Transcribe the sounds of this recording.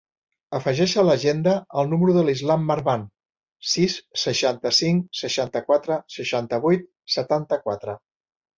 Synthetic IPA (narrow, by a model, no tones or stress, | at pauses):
əfəʒɛʃələʒend̪əəlˠnuməɾuðəlizlamːəɾβan | sisːəʃant̪əsiŋsəʃant̪əkwat̪ɾəsəʃant̪əβujt̪̚ | sət̪ant̪əkwat̪ɾə